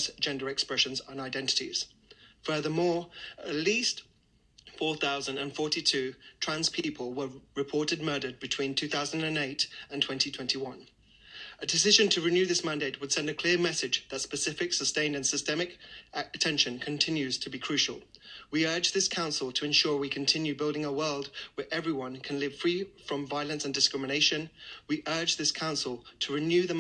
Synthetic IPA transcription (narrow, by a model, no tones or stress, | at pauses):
sd̥ʒ̥ɛ̃ndə˞ɨkspɹɛʃɨ̃nzn̩aɪdɛ̃ntɨ̥ɾḭz̥ | fɜ˞ðə˞mɔɹə̰ʔˡlist | fɔɹθaʊzə̃ndə̃nfɔɹɾitʰʉtʰɹ̥æ̃nz̥pʰipʰəlˠwəɹɨpʰɔɹɾɨd̚mɜ˞ɾəd̚bɨtʰw̥ĩntʰʉθaʊzə̃n̩dɨ̃neɪtə̃ntʰw̥ɛ̃ntitʰw̥ɛ̃ntʰiwʌ̃n | ɨdɨsɪʒɨ̃ntʰɨɹɨnjʉðɪsmæ̃ndeɪʔ̚wəd̥sɛ̃ndɨkʰl̥ɪəmɛsɨd͡ʒðɨtspɨsɪfɨksəstẽɪ̃ndɨ̃nsɨstɛmɨkɨtʰɛ̃nʃɨ̃nkʰɨ̃ntʰɪ̃njʉz̥tʰɨbikʰɹ̥ʉʃl̩ˠwiɜ˞d͡ʒðɪskʰãʊ̃nsl̩ˠtʰəɨ̃nʃʊɹwikʰɨ̃n̩tʰɪ̃njʉbɪlˠdɪ̃ŋəwɜ˞lˠd̚wə˞ʔɛvɹiwʌ̃nkʰɨ̃nlɪv̥fɹifɹʌ̃ɱvaɪlˠɨ̃nsɨ̃n̩dɨskɹɪmɨneɪʃɨ̃nwiʔɜ˞d͡ʒðɪskʰãʊ̃nsl̩ˠtʰəɹɨnjʉðɨ